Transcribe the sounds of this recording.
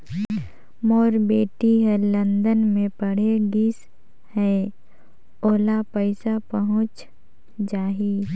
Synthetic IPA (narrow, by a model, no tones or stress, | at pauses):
moːɾbeːʈiɦɛ̃lə̃nd̪ənmẽpəɽ̤eɡis | hɛː | oːlapəɪsapəɦʊ̃t͡ʃ | d͡ʒaːɦi